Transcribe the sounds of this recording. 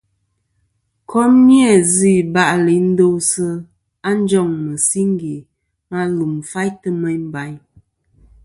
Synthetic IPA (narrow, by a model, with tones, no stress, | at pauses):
kʰɔ˦mmjɛ˦˨zi˦˨ba˦ʔli˨˦n̩˦do˦wsə˦ | a˦n̩˦d͡ʒɔ˦˨ŋmə˨si˦ŋ˦ɡi˨ | ma˦lu˨m˨fa˦jtə˦mɛ˦ɲm˦ba˨˦ɲ